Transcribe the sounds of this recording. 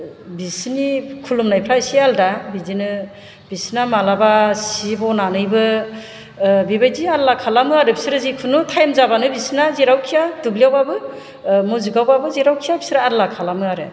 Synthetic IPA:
bisnikʰulumnajpʰɾasialdabidinɯ | b̥isnamalabasibɔnanɯjbɯ | bibajdiaɾlakʰalamɯaɾɯbi̥sɾɯzikʰunutʰajmzabanɯbisnaziɾawkʰijadublijawbabɯ | mɔzɯɡawbabɯzeɾawkʰijabi̥sɾaɾlakʰalamɯaɾɯ

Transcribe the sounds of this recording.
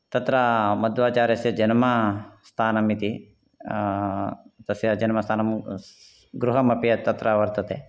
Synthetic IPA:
t̪ɐt̪ɾamɐd̪ʋaːt͡ʃaːɾjɐsjɐd͡ʒɐnmast̪ʰaːnɐmit̪i | t̪ɐsjɐd͡ʒɐnmɐst̪ʰaːnɐm | ɡɾuɦɐmɐpijɐt̪ɐt̪ɾaʋɐɾt̪ɐt̪e

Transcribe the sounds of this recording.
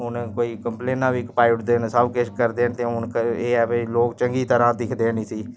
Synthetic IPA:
ʊnkoːiːkəmpleːnãːʋiːɪkpaːɪʊʈd̪eːnsəbket͡ʃkəɾd̪eːnt̪ẽːʊnkəeːɛbeloːkt͡ʃəŋɡiːt̪əɾãːd̪ɪkʰd̪eːnĩːsiː

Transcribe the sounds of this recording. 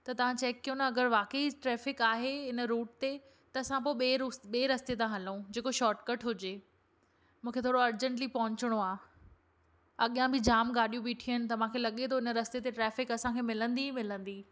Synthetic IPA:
t̪ɐt̪ɐʋ̤ãt͡ɕɛːkːijonɐɐɡəɾʋaːkəiʈɾɛːfɪkaːɦeɪnəɾuːʈ̚t̪e | t̪ɐːsãp̬oːeɓeːɾusɓeːɾɐst̪et̪ãɦɐlũd͡ʑeːkoʃɔːɾʈkəʈʰɦʊd͡ʑe | mũːkʰet̪ʰoːɽoɐɾd͡ʑə̃ɳʈlipɐɦʊ̃ɲt͡ɕɪɽ̃oaː | ɐɠjãbʱɪd͡ʑaːmɡaːɗijũbiːʈʰiənɪ̆t̪ɐʋ̤ãkʰelɐɠet̪ʰoɪnə̆ɾɐst̪et̪eʈɾɛːfɪkɐsãkʰeːmɪlə̃nd̪imɪlə̃nd̪iː

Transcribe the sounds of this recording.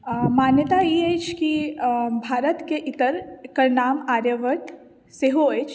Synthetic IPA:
maːnjət̪aiːeːt͡ʃkibʱaːɾət̪keʔɪt̪əɾkɐɾnaːmaːɾjəʋəʈ | seɦoeːt͡ʃ

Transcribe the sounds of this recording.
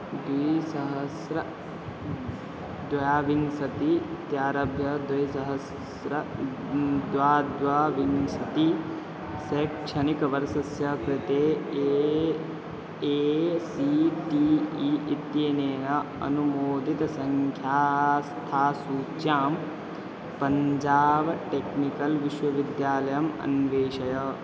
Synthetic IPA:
d̪ʋijsɐɦɐsɾɐ | d̪ʋɐjaːʋiŋsɐt̪it̪jaːɾɐbʱjɐd̪ɐjsɐɦɐs | ɾɐ | d̪ʋaːd̪ʋaːʋiŋsɐt̪i | sekʃɐnikɐʋɐɾsɐsjɐkɾɪt̪eː | siʈiit̪jeːneːnɐɐ̰numoːd̪ʱit̪ɐsɐŋkʰjaːst̪ʰaːsuːt͡ʃjaːm | pɐɲd͡ʒaːbɐʈeknikɐlʋiʃʋɐʋid̪jaːlɐjɐmɐ̰nʋeːʃɐjɐ

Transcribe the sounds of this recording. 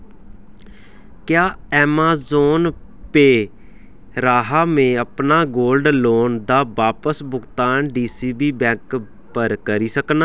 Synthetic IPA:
kjaːɛːmaːzoːn | peː | ɾaːɦaːmẽːəpnaːɡoːlɖloːnd̪aːbaːpəsbʊɡt̪aːnɖiːsiːbiːbɛ̃ːŋk | pəɾkəɾiːsəknaː

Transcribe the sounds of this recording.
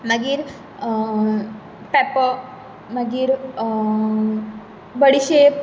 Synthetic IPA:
nəɡiːɾ | pɛpə | nəɡiːɾ | bəɽiɕe

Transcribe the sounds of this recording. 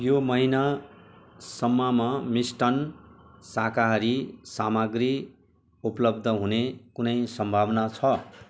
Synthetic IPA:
jomʌɦina | sʌmːʌmʌmisʈʌnsakaɾisamʌɡri | upʌlʌb̚d̪ʱʌɦunekunʌjsʌmbʱabnat͡sʰʌ

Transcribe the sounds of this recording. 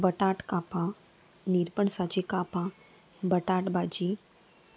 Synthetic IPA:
bəʈaʈkaːpã | niɾpəɳsat͡ʃikaːpã | bəʈaːʈbaːd͡ʒi

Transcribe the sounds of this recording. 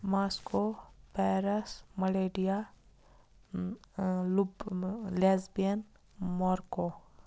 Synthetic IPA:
maːskopɛːɾɐsmɐleːɖija | lublezbijən | mɔːɾko

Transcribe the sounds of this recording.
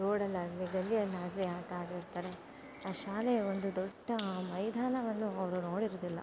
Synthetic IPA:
noːɽɐlːɐliɡɐlːiɐnːaːɡ̪ɾiaːʈaːɡiɽt̪aːɾe̞ | aːʃaːleond̪ud̪ɔɖːɐmɐjd̪ʱaːnɐʋɐnːuɐʋɾuno̞ːɽiɾoːd̪ilːɐ̰

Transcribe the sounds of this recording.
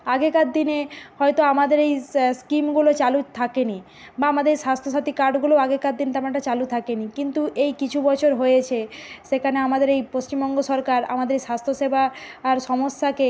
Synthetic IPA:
aɡekat̪̚d̪inehɔet̪oamad̪eɾejskimɡulot͡ɕalut̪ʰakeni | baamad̪eɾʃast̪ʰoʃat̪ikaɾɖɡulooaɡekat̪̚d̪int̪amanɳʈat͡ɕalut̪ʰakenikint̪uʔejkit͡ɕʰubɔt͡ɕʰoɾɦojet͡ɕʰeʃekʰaneamad̪eɾejpost͡ɕimbɔŋɡoʃɔɾkaɾa̰mad̪eɾeʃast̪ʰoʃebʱaːɾʃɔmoʃːake

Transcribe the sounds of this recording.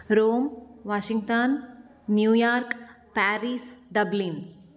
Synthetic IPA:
ɾoːmʋaːʃiŋɡt̪ɐnː | juːjaːɾk | paːɾiːsɖɐblin

